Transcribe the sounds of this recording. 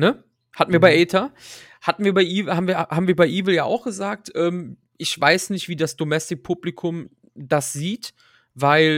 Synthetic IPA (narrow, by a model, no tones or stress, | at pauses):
nə | hatn̩viːɐbaɪʔɛːtʰa | hatn̩viːɐbaɪʔiːvhaːbm̩viːɐhaːbm̩viːɐbaɪʔiːvl̩jaːʔa̰ʊxɡ̥əzaːk̚tʔɛːm | ʔɪçv̥aɪsnɪçtv̥iːdasd̥omɛstɪk̚pʰublɪkʰʊm | d̥asz̥iːt | vaɪl